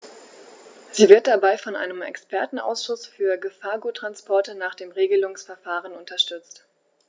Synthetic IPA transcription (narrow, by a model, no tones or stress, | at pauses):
z̥iːvɪɐt̚d̥abaɪfɔnʔa̰ɪnəmɛ̰kspʰɛɐtn̩ʔa̰ʊsʃʊsfyːɐɡəfaːɐɡuːtʁ̥anspʰɔɐtənaːχd̥eːmʁeːɡəlʊŋsfɛɐfaːʁənʊntɐʃtʏt͡st